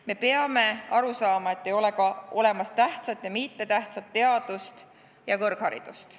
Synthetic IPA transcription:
me̞pe̞ɑme̞ɑɾusɑːmɑe̞t̪ːˑe̞jo̞le̞kɑo̞le̞mɑst̪æht̪sɑt̪ːjɑmit̪ːe̞t̪æht̪sɑt̪ːe̞ɑd̪̥ust̪ | jɑkɤrɡ̥hɑɾḭd̪̥ust̪

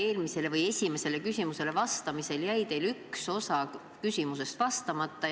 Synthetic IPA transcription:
e̞ːlmise̞le̞vɤje̞sʲime̞se̞le̞kysʲimuse̞le̞vɑst̪ɑmise̞ljæjt̪e̞jlykso̞sɑ | kysʲimus̬e̞st̪vɑst̪ɑmɑt̪ːɑ

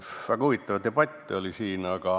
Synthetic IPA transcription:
væɡ̥ɑuvit̪ːˑɑvd̪̥eb̥ɑt̪ʲːiolisiːnɑɡ̥ɑ

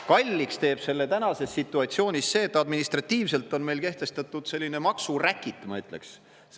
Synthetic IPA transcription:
kɑlʲːikst̪e̞ːb̥se̞lːe̞t̪ænɑse̞sːit̪ːˑuɑt̪sio̞ːnʲisse̞ːt̪ːˑɑd̪minist̪rɑt̪ːiːvse̞lt̪ːˑo̞nme̞jlke̞ht̪e̞st̪ɑt̪ːˑud̪̥se̞lːine̞mɑksurækːˑit̪ːˑmɑyt̪ˑle̞̰ks

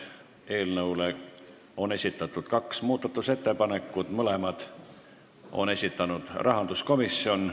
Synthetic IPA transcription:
e̞ːlnɤwle | o̞ne̞sʲit̪ːˑɑt̪ːˑud̪̥kɑksmuːd̪̥ɑt̪ːˑuse̞t̪ːe̞pɑne̞kːˑud̪̥mɤle̞mɑd̪̥ | o̞̰ne̞sʲit̪ːˑɑnud̪̥rɑɦɑnd̪̥usko̞misːio̞n

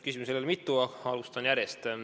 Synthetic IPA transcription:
kysimuselelmit̪ːˑuɑɑlust̪ɑnjæɾjest̪

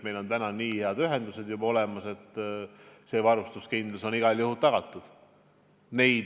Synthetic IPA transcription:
me̞jlo̞nt̪ænɑniːheɑd̪yɦe̞nd̪use̞d̪̥jubɑo̞lemɑse̞t̪ːse̞ːvɑɾust̪uskind̪luso̞niɡ̥ɑljuhut̪ːɑɡ̥ɑt̪ːˑud̪̥ | ne̞jd̪

